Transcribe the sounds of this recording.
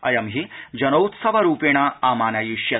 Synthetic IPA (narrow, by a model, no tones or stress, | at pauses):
ɐjɐmɦid͡ʒɐnɐwt̪sɐʋɐɾuːpeːɳaːaːmaːnɐjiʃjɐ